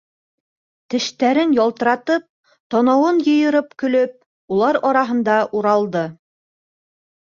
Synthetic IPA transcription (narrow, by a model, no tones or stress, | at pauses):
t̪ɘ̆ʃt̪æɾɘnjɒlˠt̪ɤ̆ɾɑt̪ɤp̚ | t̪ɒnɑwɤnjɤ̆jɤ̆ɾɤpkɵ̆lɵp̚ | ulˠɑɾɒɾɑɦɤ̆nd̪ɑʔuɾɑlˠd̪ɤ